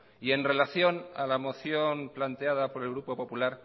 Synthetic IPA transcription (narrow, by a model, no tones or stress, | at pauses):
ie̞nre̞laθjo̞na̰lamo̞θjo̞nplant̪eaðapo̞ɾe̞lɣ̞ɾupo̞po̞pulaɾ